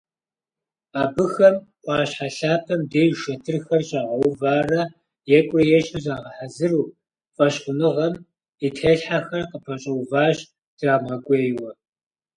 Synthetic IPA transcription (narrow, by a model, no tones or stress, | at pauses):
aːbɨxɐmqʷɑːɕħaɬaːpʰɐmdeːjʃɐtʰɨrxɐrɕʼaːʁɐwvaːrɐ | jɛkʷʼrɐjɛɕɐzaːʁɐħazɨruː | fʼɐɕqʷʊnɨʁɐm | itʰeːɬħaxɐrqəpʰɐɕʼɐwvaːʒ | d̥raːmʁɐkʷʼeːjwɐ